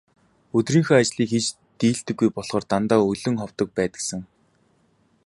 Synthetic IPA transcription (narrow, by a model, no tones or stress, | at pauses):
ɵt̪riːŋxoːat͡ɕɮiːkxet͡ɕ | t̪iːɬt̪ɘ̆ɡːujpɔɮ̥χɔːrt̪ant̪aːɵɮɵ̆ŋχɔw̥t̪ɞ̆k̚pæːt̪ə̆ksə̆ŋ